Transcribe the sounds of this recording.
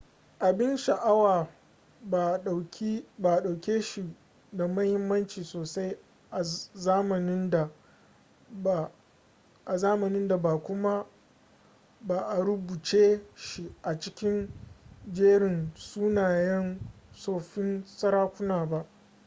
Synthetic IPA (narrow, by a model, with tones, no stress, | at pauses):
ʔa˨bɪ˦nʃa˨ʔa˦waː˨ | a˨kʲi˦ba˨ɗa˨wkʲeː˦ʃi˨ | da˨mɐ˦hɪ˦mːɐ˦nt͡ʃiː˨soː˨sa˦j | ʔa˨zaː˦mɐ˨nɪ˦nda˨ | a˨zaː˦mɐ˨nɪ˦nda˨baː˨kʷʊ˦ma˦ | baː˨ʔa˨ɾʊ˦buː˨t͡ʃeː˦ʃi˦ʔa˨t͡ʃɪ˦kʲɪ˦n | d͡ʒeː˦ɽɪ˨nsuː˦naː˨jɐ˦nsoː˨ɸɪ˦nsɐ˦ɾaː˦kʷʊ˦naː˨ba˦ʔ